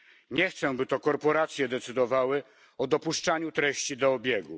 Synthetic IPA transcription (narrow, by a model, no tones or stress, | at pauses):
ɲɛxt̪sɛ̃bɘt̪ɔkɔɾpɔɾat̪sʲjɛd̪ɛt̪sɘd̪ɔvawɘ | ɔd̪ɔpuʂt͡ʂaɲut̪ɾɛɕt͡ɕid̪ɔɔbʲjeɡṵ